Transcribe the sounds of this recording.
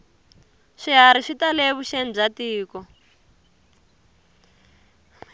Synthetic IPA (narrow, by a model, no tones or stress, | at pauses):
ʂiɦaɾiʂitaleβuʃen̩b͡ʐatiːkɔ